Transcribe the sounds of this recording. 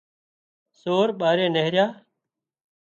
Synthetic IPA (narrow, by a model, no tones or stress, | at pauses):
soːɾɓaːɾeːneɦɾjaː